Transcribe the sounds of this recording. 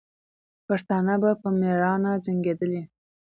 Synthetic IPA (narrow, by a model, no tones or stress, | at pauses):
paʂt̪ɑnabapəmeɾɑnad͡ʒaŋɡed̪əli